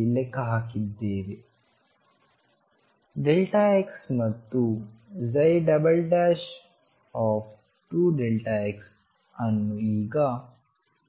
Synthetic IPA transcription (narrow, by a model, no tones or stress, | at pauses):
lekaɦakid̪eːʋe | ɖelʈaːeksmɐt̪ːuzɐjɖɐbəlɖɛːʃ | ɔːf | ʈuːɖelʈaeks | ɐnːuiːɡaː